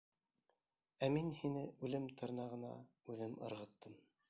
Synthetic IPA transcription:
æminhinɘʉlɘmt̪ʰɤ̆ɾnɑʁɤ̆nɑ̰ | ʉðɘmɤ̰̆ɾʁɤ̆t̪ːɤm

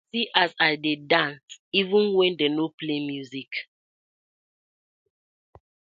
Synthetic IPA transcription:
siʔasaɪdedãnsivũnwɛ̃ndenoplemjuzik

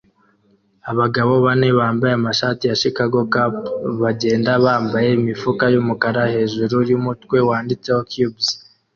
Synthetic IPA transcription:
aβaɡaβo̞βane̞βaːmbajeamaʃatijaʃikaɡo̞kapβaɟe̞ːndaβaːmbaje̞imifukajumukaɾahe̞ːʒuɾuɾjumutkwe̞waːndit͡se̞hokjubz

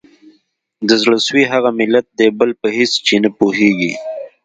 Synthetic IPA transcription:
d̪əzɽəswiɦaɣamɪlːat̪̚d̪ebəlpəɦɪst͡ʃenapoɦeɡi

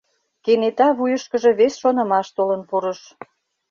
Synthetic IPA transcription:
kenet̪ɑβujəʃkə̆ʒe̽βesʃonə̆mɑʃt̪olənpuɾəʃ

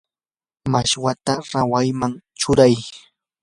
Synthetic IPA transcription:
maʃwat̪aɾawajmaŋt͡ʃʊɾaj

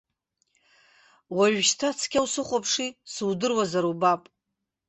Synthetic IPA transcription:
waʒᶣʃtʰat͡sʰkʲawsɨχʷapʰʂisɨwdɨrwazaɾubapʼ

